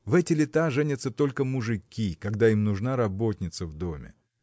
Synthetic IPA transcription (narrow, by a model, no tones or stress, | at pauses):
vɛtʲɪlʲɪt̪aʐɛnʲɪt̪sət̪o̞lʲkəmʊʐɨkʲikɐɡd̪aimnʊʐnaɾɐbo̞t̪ʲnʲɪt̪səvd̪o̞mʲɪ̰